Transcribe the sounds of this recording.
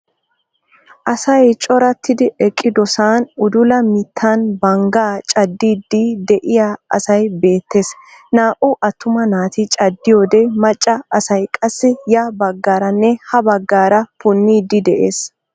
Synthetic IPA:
ʔɐsɐjt͡ʃʼɔɾɐt̪ʰːɪd̪ɪʔɛkʼːɪd̪ɔsaːnʊd̪ʊlɐmɪt̪ʰːanbɐŋɡaːt͡ʃʼɐd̪ːiːd̪ːɪd̪ɛʔɪjaːɐ̰sɐjbe̞ːt̪ːeːsnaːʔʊʔɐt̪ʰːʊmɐnaːt̪ɪt͡ʃʼɐd̪ːɪjoːd̪ɛmɐt͡ʃʼːɐɐsɐjkʼɐsːɪjabɐɡːaːɾɐnːɛhɐbɐɡːaːɾɐfʊnːiːd̪ɪd̪ɛʔeːs

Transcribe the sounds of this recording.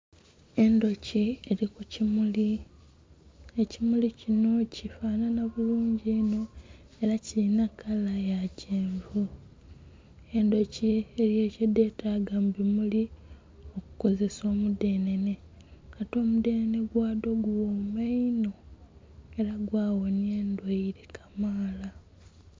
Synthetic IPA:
e̞ndo̞cieɾikucimuli | ecimulicino̞cifaːnanaβuluːɲɟiːno̞ | e̞ɾacilinakalajaceːɱvu | e̞ndo̞cielje̞ːcedːe̞ːtʰaːɡambimuli | o̞ku̥ko̞ze̞so̞ːmude̞ːne̞ne̞ | kato̞ːmude̞ːnene̞ɡwaːdo̞ɡuwomaino̞ | e̞ɾaɡwaːwo̞nie̞ːndweiɾekʰamaːla

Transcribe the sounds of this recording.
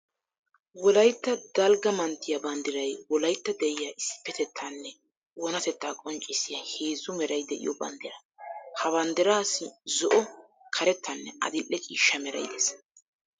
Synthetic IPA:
wɔlɐjt̪ːɐd̪̥ɐlɡɐmɐnt̪ːɪjɐbɐnd̪ɪɾɐjwɔlɐjt̪ːɐd̪ɛʔɪjaːʔɪsːɪ̥pːɛt̪ɛt̪ʰːanːɛ | wɔnɐt̪ɛt̪ːaːkʼɔnt͡ʃʼːɪsɪjaheːzʊmɛɾɐjd̪ɛʔɪ̰jɔbɐ̰nd̪ɪɾɐ | hɐβɐnd̪ɪɾaːsɪzɔʔɔ | kʰɐɾɛt̪ʰːɐnːɛʔɐ̰d̪ɪlʔːɛkʼiːʃːɐmɛɾɐ̰jd̪ɛs

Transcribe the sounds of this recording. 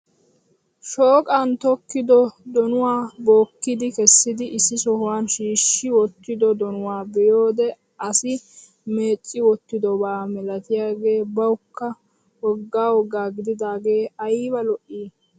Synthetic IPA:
ʃoːkʼaːnt̪ɔkːɪd̪ɔd̪ɔnʊwaːbo̞ːkːɪd̪ɪkɛsːɪd̪ɪʔɪsːɪsɔhʊwaːnʃiːʃːɪwɔt̪ːɪd̪ɔd̪ɔnʊwaːbɛjo̞ːd̪ɛ | ɐsɪ | me̞ːt͡sʼːɪwɔt̪ːɪd̪ɔbaːmɛlɐt̪ɪjaːɡe̞ːbɐwʊkːɐ | wɔɡːaːwɔɡaːɡɪd̪ɪd̪aːɡe̞ːɐjbɐlɔʔːiː

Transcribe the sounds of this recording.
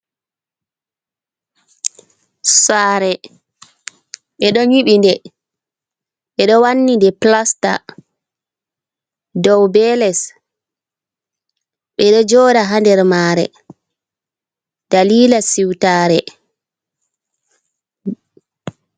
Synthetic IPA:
saːɾɛ | ɓɛɗɔɲiɓindɛ | ɓɛɗɔwanːindɛplasta̰ | dɔwbɛlɛs | ɓɛɗɔd͡ʒɔːdaɦandɛɾmaːɾɛ̰ | d̥aliːlasiwtaːɾɛ

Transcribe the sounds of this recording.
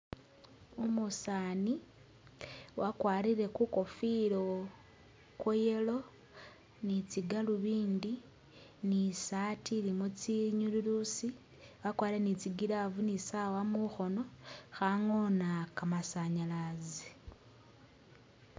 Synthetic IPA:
umusaːni | wʔakwaːɾiɾe̞kuko̞filo | kwojelo̞ | nit͡siɡaluβiːndi | nisatilimut͡siɲululusi | wakwaːɾiɾenit͡siɡiɾavunisawamuxo̞no̞xaŋonakamasaɲalazi

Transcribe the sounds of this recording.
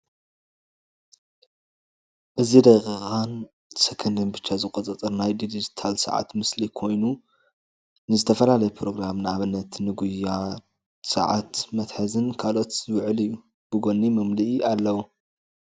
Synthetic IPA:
ʔɨzid̪ɐkʼɨɣʼan | sɨkʰɨnd̪ɨnbɨt͡ʃːazɨkʼot̪ʼɐt͡s̪ʼɨɾnajd̪id̪it̪ʰalsɐ̰ʕa̰t̪mɨslikʰo̞jnu | nɨzɨt̪ʰɐfɐlalɐjɛpʰɾo̞ɡɾamnaβɨnːɐt̪nɨɡuja | sɐ̰ʕa̰t̪mɐt̪ħɐzɨnkʰalo̞t̪zɨwʕɨlɨjːu | b̥ɨɡo̞nːimɨmliʔalːɐwu

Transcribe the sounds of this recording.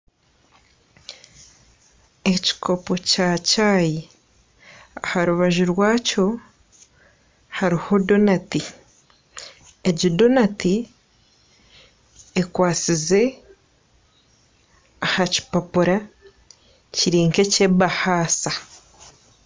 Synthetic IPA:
e̞ci̥kʰo̞po̞caːcaːji | ahaɾuβaʒuɾwaːco̞ | haɾiho̞do̞nati | eɟido̞nati | ekwaːt͡size̞ | ahaci̥papuɾa | ciɾiːŋke̞cebahaːsa

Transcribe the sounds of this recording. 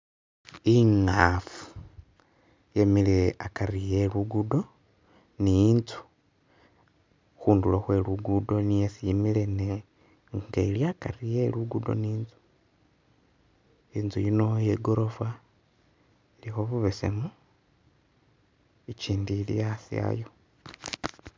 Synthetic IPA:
iŋafu̥ | jemileakaɾijeluɡudo̞ | nijint͡su̥ | xuːnduloxwe̞luɡudo̞nijesijimilene | ŋɡailjakarijeluɡudo̰niːnzu̥ | iːnzujinojeɡoɾo̞fwa | ilixoβuβesḛmu | it͡ʃiːndilḭjasḭa̰jo

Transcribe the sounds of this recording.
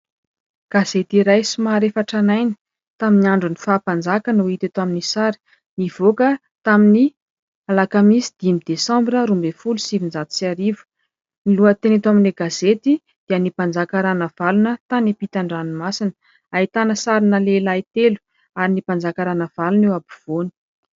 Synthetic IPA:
ɡ̥az̥et̪iɾajsimaɾefaʈ͡ʂanajni̥ | t̪aminiaɳɖ͡ʐunifaːpand͡zakənuit̪at̪aminisaɾi̥ | niv̥okə | t̪amini | alakamisid̪̥imid̪esɑ̃mbɾəɾumbefulusivind͡zat̪u̥siaɾivu̥ | niluət̪enet̪amineɡazet̪i | d̪̥iənipand͡zakaɾanəv̥alunət̪anepit̪aɳɖ͡ʐanimasinə̥ | ait̪anəsaɾinəlelait̪elu̥ | aɾinipand͡zakaɾanəvalunewabiv̥oni̥

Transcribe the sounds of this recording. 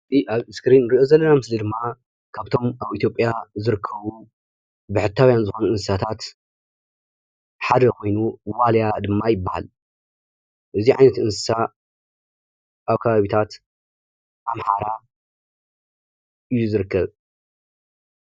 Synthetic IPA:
tʼiʔaβɨskɾinɾiʔo̞zɐlːɐnamɨslid̪ɨmːa | kʰaβt̪ʰo̞mʔaβit̪jo̞pʼjazɨɾɨkʰːɐβu | bɨħɨt̪ʰːaβjanzɨxo̞nuɨnsɨsat̪ʰat̪ | ħad̪ɐkʰo̞jnuwaljad̪ɨmːajɪbːaha̰l | ʔɨziʕa̰jnɐt̪ɨnsɨ̥sa | ʔaβkʰɐβaβit̪ʰat̪ | ʔamħa̰ɾa | ʔɨjːuzɨɾɨkʰːɐβ

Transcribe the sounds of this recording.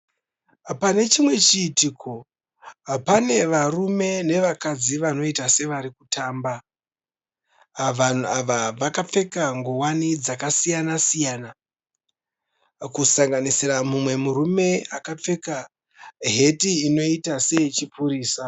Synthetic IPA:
pane̞t͡ʃimwe̞t͡ʃiːtikʰo̞ | pane̞ʋarume̞ne̞ʋakad͡ziʋano̞itase̞ʋaɾikutaːmba | ʋan̤uaʋaʋakap͡fe̞kaŋɡuwanid͡zakasijanasijaːna | kusaŋɡanisiramumwe̞murume̞akap͡fe̞ka | ɦe̞tiːno̞itase̞t͡ʃipuɾiːsa

